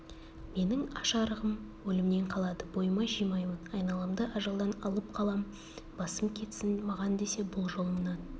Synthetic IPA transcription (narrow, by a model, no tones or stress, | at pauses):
me̞nɪŋɑʃɑɾəʁəmwɵlɪmne̞ɴqʰɑlˠɑd̪əbo̞jəmɑʒijmɑjmənɑjnɑlˠɑmd̪əʔɑʒɑlˠd̪ɑnɑlˠəp̚qʰɑlˠɑm | bɑsəmkʲʰe̞t̪sɪnmɑʁɑnd̪e̞se̞bʊlˠʒo̞lˠəmənɑn